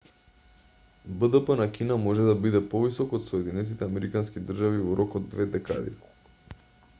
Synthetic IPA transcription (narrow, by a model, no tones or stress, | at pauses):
bəd̪əpənakinamɔʒɛd̪abid̪ɛpɔvisɔkot̪sɔɛd̪inɛt̪it̪ɛamɛɾikanskid̪r̩ʒavivɔɾɔkod̪ːvɛd̪ɛka̰d̪ḭ